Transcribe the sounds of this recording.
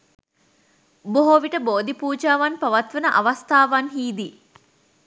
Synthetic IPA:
boɦoːʋiʈəboːd̪ipuːd͡ʒaːʋanpɐʋɐt̪ʋɐnəʔɐʋɐst̪ʰaːʋanɦiːd̪i

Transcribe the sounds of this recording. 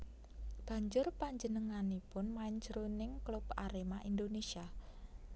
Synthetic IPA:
b̥a̤ɲd͡ʒʊrpaɲd͡ʒənəŋanipʊnmaɪɲt͡ʃɾunɪŋklubaɾemaʔind̪onesia

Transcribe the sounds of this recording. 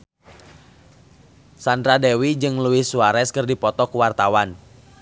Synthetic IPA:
sandɾadɛwid͡ʒɨŋluɪsuaɾɛskɨrdipɔt̪ɔkuwart̪awan

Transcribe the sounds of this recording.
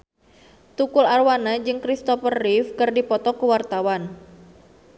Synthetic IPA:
t̪ukʊlarwanad͡ʒɨŋkɾist̪ɔfərːifkɨrdipɔt̪ɔkuwart̪awan

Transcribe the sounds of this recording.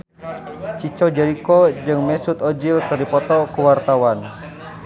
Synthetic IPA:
t͡ʃit͡ʃɔd͡ʒɛɾikɔd͡ʒɨŋmɛsut̪ɔd͡ʒilkɨrdipɔt̪ɔkuwart̪awan

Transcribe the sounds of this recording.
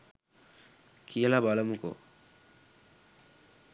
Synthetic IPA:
kʰilabalɐmuko̰

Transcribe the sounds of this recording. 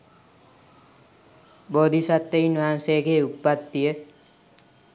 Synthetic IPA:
boːd̪ʱisat̪ːeinʋaansejɡeupːat̪ːijə

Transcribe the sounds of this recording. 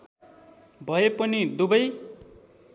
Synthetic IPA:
bʱʌepʌnid̪ubʌj

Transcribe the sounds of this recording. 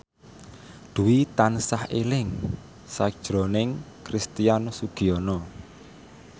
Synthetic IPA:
d̪̥ṳwit̪ansahelɪŋ | sḁʒ̥ɾɔnɪŋ | kɾist̪ijansuɡ̥iɔnɔ

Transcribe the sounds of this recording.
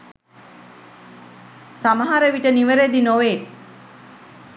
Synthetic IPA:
samaɦaɾəʋiʈəniʋəɾed̪inoʋe

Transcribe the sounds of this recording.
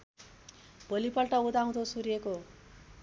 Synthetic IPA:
b̥ʌlipʌlʈʌud̪aw̃d̪ʰosuɾijeko

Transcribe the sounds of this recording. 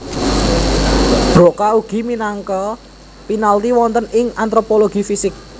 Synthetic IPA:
b̥ɾokauɡ̥i̤minaŋkɔ | pinalt̪iwɔnt̪ənɪŋant̪ɾopoloɡ̥i̤fisɪk̚

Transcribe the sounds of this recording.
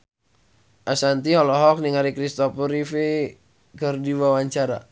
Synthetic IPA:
ʔasant̪iɦɔlɔɦɔk̚niŋaɾikɾist̪ɔpuɾife | kərdiwawaɲt͡ʃaɾa̰

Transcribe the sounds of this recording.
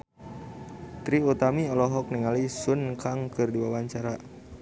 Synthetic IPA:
t̪ɾiut̪amiɔlɔɦɔk̚niŋalisunkaŋkɨrdiwawaɲt͡ʃaɾa

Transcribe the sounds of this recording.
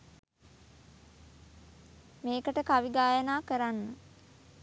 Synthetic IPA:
meːkəʈəkaʋiɡaːjənaːkəɾanːə

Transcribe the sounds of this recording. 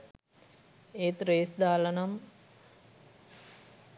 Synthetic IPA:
eːt̪ɾeːsd̪aːlɐnam

